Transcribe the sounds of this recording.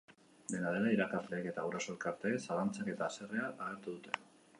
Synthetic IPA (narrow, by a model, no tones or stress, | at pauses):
d̪e̞nað̞e̞laiɾakazle̞ːke̞t̪auɾaso̞elkaɾt̪e̞saɣant͡sake̞t̪aːse̞re̞aʔaɣ̞e̞ɾt̪uðut̪e̞